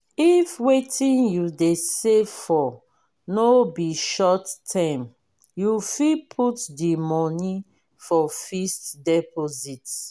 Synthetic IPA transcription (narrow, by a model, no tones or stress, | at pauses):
ifwetʰĩnjudesefɔ | nobiʃɔtːʰãm | jufipʰutdimɔni | fɔfistdɛpʰozit